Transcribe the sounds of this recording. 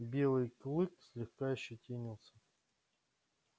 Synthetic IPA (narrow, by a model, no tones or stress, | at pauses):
bʲe̞lˠɨjklˠɨksʲlʲɪxkajɪɕːɪtʲenʲɪlˠsʲə̥